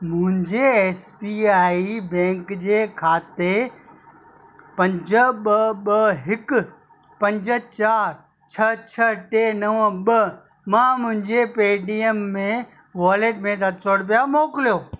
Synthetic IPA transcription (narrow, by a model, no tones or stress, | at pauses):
mʊ̃ɦɪ̃ɲd͡ʑeeːspiaːibɛ̃ːŋkd͡ʑeːkʰaːt̪e | pɐ̃ɲd͡ʑəɓəɓəɦɪk | pɐ̃ɲd͡ʑə̆t͡ɕaːɾ | t͡ɕʰɐt͡ɕʰɐʈeːnɐʋəɓə | mãːmʊ̃ɦɪ̃ɲd͡ʑepeːɖiemːẽ | ʋaːleʈ̚mẽsɐt̪soːɽp̬ijamoːkɪlijoː